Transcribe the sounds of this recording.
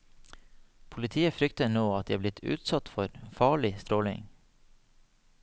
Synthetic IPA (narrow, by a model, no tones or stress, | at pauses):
pʰʊlɪt̪ʰiːəfɾʏkt̪ənoːɑt̪̚d̪iːɑblɪt̪ʰʉ̰ːt̪sɑt̪fɔɾfɑːɭɪst̪ɾoːlɪ̰ŋ